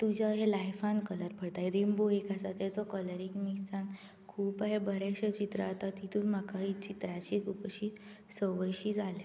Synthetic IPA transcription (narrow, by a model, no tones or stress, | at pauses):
t̪ud͡ʑaɦelajfãnkələɾpʰəɽt̪ajɾimboekasat̪jat͡sɔkələɾiŋmisãŋ | kʰuːpaɦebəɾaɕət͡ɕit̪ɾa̰t̪at̪it̪uːnmakaɦit͡ɕit̪ɾat͡ɕikʰupəɕi | səʋəjɕiːd͡zalja